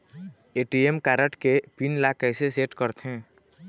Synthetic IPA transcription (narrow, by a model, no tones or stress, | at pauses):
eːʈiemkaːɾəʈkepinlakɛːseseːʈkəɾt̪ɦɛ̃ː